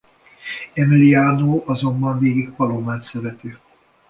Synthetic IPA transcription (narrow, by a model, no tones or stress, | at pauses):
ɛmiliaːnoːʔɒzo̞mbɒɱveːɡikpɒlomaːt̪sɛɾɛt̪i